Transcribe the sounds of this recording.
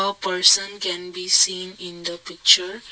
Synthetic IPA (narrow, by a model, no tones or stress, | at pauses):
əpəɾsə̃nkɛ̃nbisĩːnĩnd̪əpik̚t͡ʃəɾ